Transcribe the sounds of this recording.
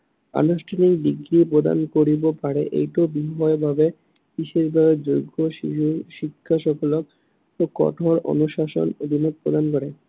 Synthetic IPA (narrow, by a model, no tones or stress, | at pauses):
a̰noʃʈʰanikɖiɡɾipɾod̪a̰nkoɾibopaɾeʔḛjʈobiɦɔebʱabe | biʃeʃbʱabed͡ʑoɡːoʃiʃuʃikʰːaʃɔkʰolok̚ | okɔ̰ʈʰoɾo̰nuʃaʃo̰nod̪ʱinok̚pɾo̰d̪ankoɾe